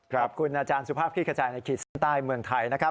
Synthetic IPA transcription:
kʰɾa˦p̚kʰu˧nʔaː˧t͡ɕaː˧nsu˧˥pʰaː˥˩p̪̚ʰiː˥˩kʰa˧t͡ɕaː˨˩jna˧jkʰiː˨˩t̪̚sa˥˩nt̪aː˥˩jmɯ˧əŋt̪ʰa˧jna˦˥kʰa˦˥

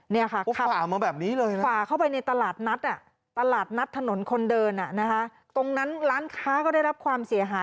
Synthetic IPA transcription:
ni˥˩ɐkʰa˥˩˦kʰa˦˥aː˨˩maː˧bɛː˨˩p̚niː˦˥lɤː˧jfaː˨˩kʰa˥˩wpa˧jna˧jt̪a˧laː˨˩t̪̚na˦˥t̪̚ʔa˨˩ | t̪a˧laː˨˩t̪̚na˦˥t̪ʰːa˧no˩˦nkʰo˧ndɤː˧nʔa˨˩na˦˥kʰa˦˥ | t̪o˧ŋna˦˥nɾaː˦˥nkʰaː˦˥kɔː˥˩da˥˩jɾa˦˥p̚kʰwaː˧msi˩˦ɐ˦ɦaː˩˦j

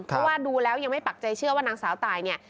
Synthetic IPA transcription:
pʰɔ˦˥waː˥˩duː˧lɛː˦˥wja˧ŋma˥˩jpa˨˩k̚t͡ɕa˧jt͡ɕʰɯ˥˩waː˥˩naː˧˥ŋsaː˩˦wt̪aː˨˩jni˥˩ɐ

